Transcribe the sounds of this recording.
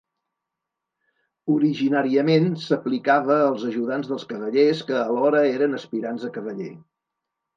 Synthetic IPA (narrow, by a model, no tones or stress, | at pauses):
uɾiʒinaɾiəmensəplikaβəːlˠzəʒuðanzðəlˠskəβəʎeskəːlɔɾəeɾənəspiɾanzðəkəβəʎḛ